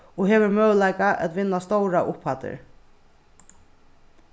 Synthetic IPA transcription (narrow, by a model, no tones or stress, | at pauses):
ɔɦeːʋʏɾmœːlajkaʔæ̰t̪ʋɪnːast̪owɾaʔʊphat̪ɪ̰ɾ